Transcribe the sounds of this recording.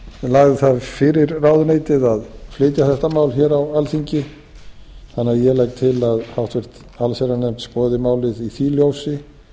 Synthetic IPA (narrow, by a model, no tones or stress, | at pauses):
laːɣðɪθavfɪɾɪɾraːwðʏneːjt̪ɪðaðfleːjt̪jaθɛht̪amaːwlçɛːɾawalθiɲcɪ | θanːɪajɛlajk̚t̪ʰɪlaðhawht̪vɛr̥t̪ | alseɾanɛm̥t̪spɔːðɪmaːwlɪðiθiːljowsɪ